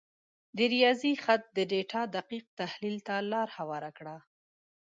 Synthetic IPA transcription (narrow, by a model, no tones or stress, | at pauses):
d̪əɾijɑzixat̪̚d̪əɖeʈʰɑd̪aqiq̚t̪ahlilt̪alɑɾhawɑɾakɽa